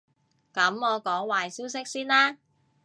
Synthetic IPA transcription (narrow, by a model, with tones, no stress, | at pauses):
kɐ˨˥mɔː˨˧kɔː˨˥ŋwaː˨jsiː˥wsɪ˥k̚siː˥nlaː˥